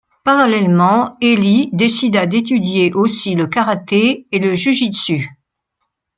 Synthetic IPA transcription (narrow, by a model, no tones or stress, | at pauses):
paʁalɛlmɑ̃elid̪esid̪ad̪et̪̬yd̪jeʔosiləkaʁat̪eeləʒyʒisy